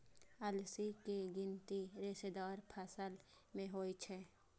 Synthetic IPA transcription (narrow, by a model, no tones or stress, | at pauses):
ɐlsikeɡɪnt̪iɾɪʃed̪aːɾpʰəsəl | mẽɦoːit͡ʃʰɛ